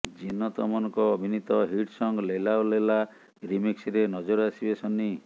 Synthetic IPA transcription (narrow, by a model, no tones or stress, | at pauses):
d͡ʒinɔt̪ɔmɔnɔŋkɔːbʱinit̪ɔɦiʈsɔŋɡlelaolela | ɾimiksɾenɔd͡ʒɔɾɔasibesɔni